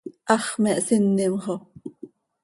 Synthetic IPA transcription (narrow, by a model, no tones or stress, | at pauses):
ʔɑχmɛʔsinːimʁo